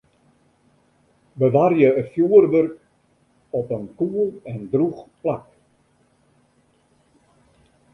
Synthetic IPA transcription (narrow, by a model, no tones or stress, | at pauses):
bəʋarjəəfjuərʋørk | ɔpənkuəlˠɛndruχplak